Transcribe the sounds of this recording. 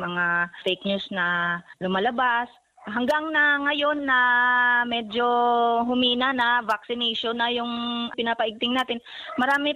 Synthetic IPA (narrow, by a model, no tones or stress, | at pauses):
mɐŋafejk̚ɲusnɐlʊmalɐbas | ɦɐŋɡaŋnɐŋɐjo̞nːɐmɛd͡ʒo̞ɦʊmiːnɐnɐvak̚sɪnɛjʃonːɐjʊŋpɪnapɐʔɪɡ̚t̪ɪŋnaːt̪ɪnmɐɾaːmɪ